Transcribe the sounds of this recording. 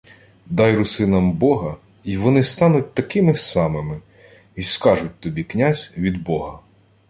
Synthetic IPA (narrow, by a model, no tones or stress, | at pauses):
d̪ɑjɾʊsɪnɐmbɔɦɐ | iʋɔnɪst̪ɑnʊt̚ʲt̪ɐkɪmɪsɑmɪmɪ | iskɑʒʊt̚ʲt̪ɔbʲiknʲazʲʋʲid̪bɔɦɐ